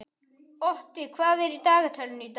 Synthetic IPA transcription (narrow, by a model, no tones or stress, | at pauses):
oht̪ikʰwaːðeɾit̪aːɡɐtʰɐlunid̪